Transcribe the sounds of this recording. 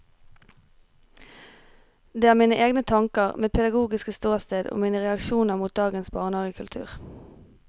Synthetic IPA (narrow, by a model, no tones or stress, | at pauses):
d̪eːæːʁmiːnəʔeːɡnət̪ʰɑŋkəʁmeːd̪̚pʰɛd̪ɑɡuːɡɪskəst̪oːʁst̪eːd̪o̰ːmiːnəʁɛɑkʃuːnəʁmuːt̪̚d̪ɑːɡənsbɑːʁnɑːʁəkʰʉlt̪ʰʉ̰ːʁ